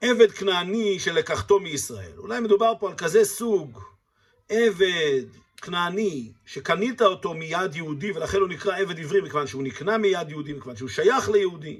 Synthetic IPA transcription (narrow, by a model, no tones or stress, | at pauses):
ʔe̞ve̞d̪knaːniʃe̞lekaχt̪o̞miisʁae̞̰lṵlajmed̪ubaʁpo̞alkaze̞suɡ | ʔe̞ved̪ | knaːniʃe̞kanit̪aot̪o̞mijad̪jehud̪ive̞laχe̞nhunikʁae̞ve̞d̪ivʁimikevanʃeuniknamijad̪jehud̪imikevanʃeuʃajaχlejehud̪im